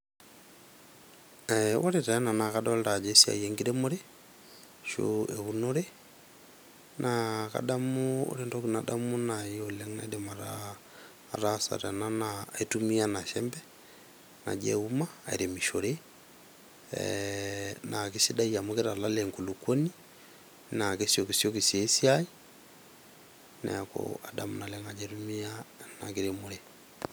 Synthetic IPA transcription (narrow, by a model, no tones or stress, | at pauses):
ɛwaɾetananakadawaleɾad͡ʒesia̰jeŋɡiɾemoɾe | ʃo̰eβunoɾe | nʔaka̰damuo̰ɾendokunadamunajoleŋna̰idemaɾa | ɾasa̰ɾananaitumianaʃɛmbɛ | na̰d͡ʒɛ̰umaḛɾemiʃoɾe | nakesidaiamokeɾalalɛŋkulukoni | nakesjokesjokisjesjai | na̰ako̰adamunalɛŋad͡ʒɛɾumianakeɾemoɾe